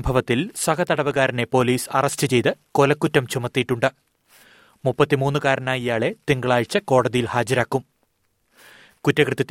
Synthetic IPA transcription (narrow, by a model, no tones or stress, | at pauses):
mbʱɐʋɐt̪ːilswɐkʰɐt̪ɐɽɐʋɐɣaːɾɐne̞po̞ːliːsɐrɐstɨt͡ɕe̞jt̪ɨko̞lɐkːutːɐmt͡ɕumɐt̪ːijiʈːuɳɖɨ | mupːɐt̪ːimuːnːɨkaːɾɐnaːjijaːɭe̞t̪iŋɡɐɭaːjit͡ɕːɨko̞ːɽɐðijilhaːd͡ʑɐɾaːkːum | kutːɐkrɨt̪ːɐt̪ː